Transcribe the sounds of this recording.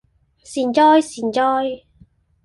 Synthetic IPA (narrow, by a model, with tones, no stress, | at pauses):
siː˨˩nt͡ʃɔː˥jsiː˨˩nt͡ʃɔː˥j